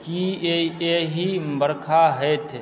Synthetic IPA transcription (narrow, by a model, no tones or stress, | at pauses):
kieeɦibəɾkʰaɦɛt̪ʰe